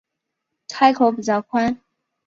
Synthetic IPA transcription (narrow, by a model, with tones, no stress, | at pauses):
tʰa˥ɪkʰo˨˥ʊpu˨˩t͡sɑ˥˩kʰwa˥n